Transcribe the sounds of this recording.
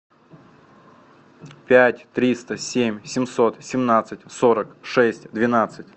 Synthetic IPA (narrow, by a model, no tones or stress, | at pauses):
pʲætʲt̪ɾʲist̪əsʲemʲsʲɪmso̞t̪sʲɪmnat̪sɨtʲsoɾəkʂɛsʲtʲd̪vʲɪnat̪sɨtʲ